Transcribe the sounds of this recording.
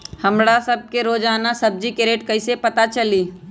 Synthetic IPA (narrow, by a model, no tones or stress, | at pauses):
hɐmɽasɐb̚keɾoːd͡ʒaːnasɐb̚d͡ʒikeɾeːʈkɐisepɐt̪at͡ʃɐliː